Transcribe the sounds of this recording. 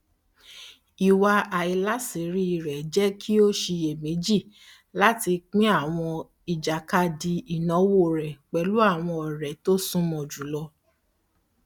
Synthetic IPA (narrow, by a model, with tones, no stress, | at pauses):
i˨wa˧a˨i˧la˨˦se˨˦ɾi˦i˨ɾɛ˨d͡ʒɛ˦kʰi˦o˦ʃi˧e˨mĩ˨˦d͡ʒi˦˨ | la˦ti˧k͡pĩ˦a˦˨w̃ɔ̃˧ | i˨d͡ʒa˨ka˧di˧i˨nɔ̃˨˦wo˦˨ɾɛ˨k͡pɛ˨˦lu˦a˦˨w̃ɔ̃˧ɔ˨ɾɛ˨to˦sũ˦mɔ̃˨d͡ʒu˨˦lɔ˧